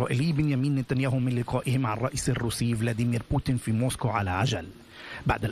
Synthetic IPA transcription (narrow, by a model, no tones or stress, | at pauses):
ɑ̰ːʔɪliːbɪnjamiːnːɪt̪anjaːhumɪnlɪqɑːʔɪhɪmʕanrˤɑʔiːsarːuːsɪjːvlad̪imiːɾpuːt̪ɪnfimoːskoʕa̰laʕad͡ʒal | ba̰ʕd̪al